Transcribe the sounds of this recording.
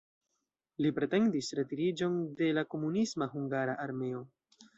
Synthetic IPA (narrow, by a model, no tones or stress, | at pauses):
lipɾe̞te̞ndisɾe̞tiɾid͡ʒo̞nde̞lako̞munismaɦuŋɡaɾaʔaɾme̞o̞